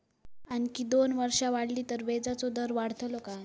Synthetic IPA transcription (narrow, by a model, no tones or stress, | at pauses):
ankiːd̪onʋəɾʂaʋaɽliːt̪əɾʋed͡zat͡sod̪əɾʋaɽ̤t̪ʰloka